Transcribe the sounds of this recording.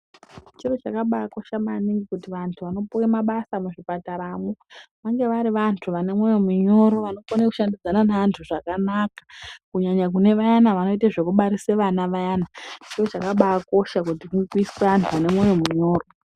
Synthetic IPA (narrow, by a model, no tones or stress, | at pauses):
t͡ʃiro̞t͡ʃakaɓaːko̞ʃamaniŋɡikutiʋantʰuʋano̞puwemaɓasamuʐipataɾamoʋaŋɡe̞ʋaɾiʋantʰuʋane̞mwo̞jo̞muɲo̞ɾo̞ʋano̞foneku̥ʃandid͡zananaantʰuʐakanakḁkuɲaɲak̬une̞ʋajanaʋano̞iteʐekuɓaɾiseʋanaʋajaːnat͡ʃiro̞t͡ʃakaɓaːko̞ʃakutikuŋɡekuisi̥seʋantʰuʋane̞mwo̞jo̞muɲo̞ːro̞